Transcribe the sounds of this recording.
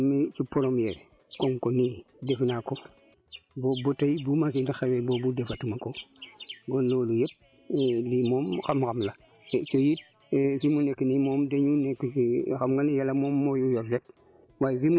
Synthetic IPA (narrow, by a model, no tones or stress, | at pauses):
mit͡ʃipoɾomjɛɾ | koŋkoni | defnako | boːbotajibumasinixewebobudefatumako | ɡonloːlujep̚ː | limoːmxamxamla | t͡ʃojit̚ː | fimunekːinimɔmdeɲunekːixamŋɡanjalamoːmːojujɔɾlep̚ | wajɾim